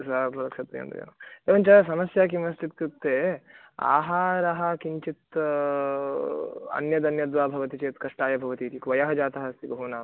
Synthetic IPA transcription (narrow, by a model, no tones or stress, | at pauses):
saɾpɾɐlɐksɐt̪ːḛjɐ̰nd̪ṵḛːnɐeːʋɐnt͡ʃɐsɐmɐsjaːk̬imɐst̪it̪̚kut̪ːeː | a̰ːɦaːɾɐɦɐkiɲt͡ʃit̪ | ɐ̰njɐd̪ɐnjɐd̪ʋaːbʱɐʋɐt̪it͡ʃeːt̪kɐʂʈaːjɐbʱɐʋɐt̪iːt̪ikʋɐjɐɦɐd͡ʒaːt̪ɐɦɐst̪ibɐɦunaːm